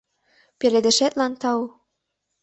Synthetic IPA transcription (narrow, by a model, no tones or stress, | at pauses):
peɾed̪ĕʃet̪lɑnt̪ɑw